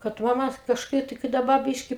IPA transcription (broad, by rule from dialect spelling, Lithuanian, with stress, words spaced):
kɐt ˈʋɐ mɐt kɐʃˈkɐɪp tɐɪ kɐɪ dɐˈbɐ ˈbʲiːʃʲkʲɪ